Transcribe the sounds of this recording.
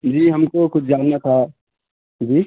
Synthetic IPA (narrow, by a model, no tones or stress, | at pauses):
d͡ʒiːɦɐmkokʊt͡ʃʰd͡ʒaːnːat̪ʰa | d͡ʒiː